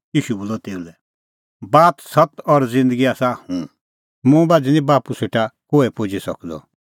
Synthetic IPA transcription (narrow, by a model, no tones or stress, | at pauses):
jiːʃuboːlɔt̪eːulɛ | baːt̪sɐt̪ɔɾzɪ̃nd̪əɡiaːsahũ | mũbaːdinĩbaːpuseːʈakoːɛpod͡ʒisɐ̰kd̪ɔ̰